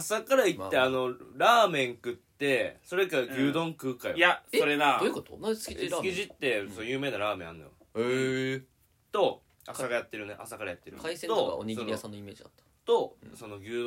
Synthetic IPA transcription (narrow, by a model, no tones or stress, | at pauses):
asakaɾait̪ːe̞ano̞ɾaːmẽ̞ŋkɯ̟t̪ːe̞so̞ɾe̞kaɡʲɨːd̪õ̞ŋkɯ̟ːkajjaso̞ɾenaokot̪osisɨkʲiʑit̪ːe̞sonjɯ̟ːme̞ːnaɾaːmẽa̰nːojo̰ | t̪o̞ | asaɡajat̪ːe̞ɾɯnḛʔa̰sakaɾajat̪ːe̞ɾɯ̟iset̪oa̰oɲisoniasãnːoimeːd͡ʑid̪at̪ːḁ | t̪o̞so̞no̞ɡʲɨː